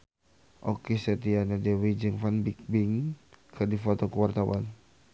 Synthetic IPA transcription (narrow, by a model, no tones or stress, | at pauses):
ʔɔkisɛt̪ianadɛwid͡ʒɨŋfanbik̚biŋkɨrdifɔt̪ɔkuwart̪awa̰n